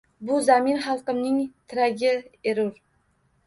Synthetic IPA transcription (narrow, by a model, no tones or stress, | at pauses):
bʊzamɪnχɑlˠqɨmnɪŋt̪ʰɪɾaɡʲɪeɾʊɾ